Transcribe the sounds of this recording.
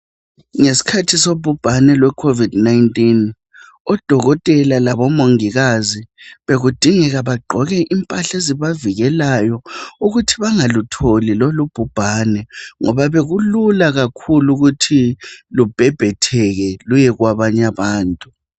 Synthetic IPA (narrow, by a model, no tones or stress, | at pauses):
ŋesi̥kʰatʰisob̥ʱub̥ʱanɛlwɛkʰovid̥najntʼin | ɔd̥ʱɔɣɔtʼɛlalaβɔmoŋiɣaziβeɣud̥ʱiŋɛɣaβaɡ͡ǃʱɔɣɛʔimpʼaɬeziβaviɣɛlajɔuɣutʰiβaŋalutʰolilolub̥ʱub̥ʱaːnɛŋɔβaβeɣululaɣakʰuluɣutʰilub̥ʱɛb̥ʱɛtʰɛɣɛlujɛɣwaβaɲaβaːntʼu